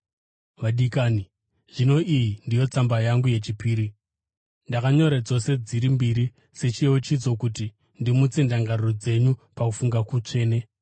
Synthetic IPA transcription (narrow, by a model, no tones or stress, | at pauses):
ʋaɗikaːni | ʐ̥ino̞ʔijindijo̞t͡sambajaŋɡuje̞t͡ʃipiːɾi | ndakaɲo̞ɾad͡zo̞se̞d͡ziɾimbiɾi | se̞t͡ʃieot͡ʃid͡zo̞kuti | ndimut͡sendaŋɡarod͡ze̞ɲupakufuŋɡakut͡ʂe̞ːne̞